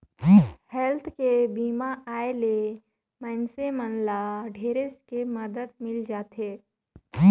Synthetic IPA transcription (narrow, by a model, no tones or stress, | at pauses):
hɛlt̪ʰkebiːmaʔaːele | mɛːnsemənlaɖʱeːɾeskeməd̪əd̪mɪld͡ʒaːt̪ɦeː